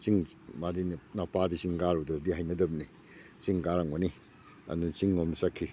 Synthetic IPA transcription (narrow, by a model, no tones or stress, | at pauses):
t͡ʃiŋmadinnapadisiŋɡaɾudɾadihajnɐdɐbni | siŋɡaɾaŋmoni | a̰ndut͡ʃiŋːomnisakʰːi